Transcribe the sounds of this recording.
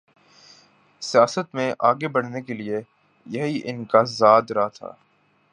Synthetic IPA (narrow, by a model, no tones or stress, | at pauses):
sijaːsət̪mẽʔaːɡebɐɽ̤nekelie | jɐɦiʔɪnkazaːd̪ɾaɦat̪ʰa̰ː